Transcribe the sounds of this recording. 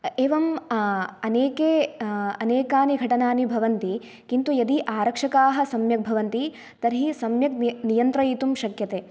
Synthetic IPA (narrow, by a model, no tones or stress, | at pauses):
eːʋɐm | ɐneːkeːɐneːkaːniɡʱɐʈɐnaːnibʱɐʋɐnt̪i | kint̪ujɐd̪iʔaːɾɐkʂɐkaːɦɐ̆sɐmjɐk̚bʱɐʋɐnt̪i | t̪ɐɾɦisɐmjɐk̚nijɐnt̪ɾɐjit̪umʃɐkjɐt̪eː